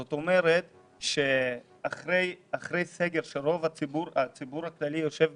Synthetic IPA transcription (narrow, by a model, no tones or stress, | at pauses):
zot̪omeɾet̪ | ʃe | aχɾejaχɾejse̞ɡeɾʃeɾo̞vaibuɾat͡sibuɾaklalijo̞ʃe̞v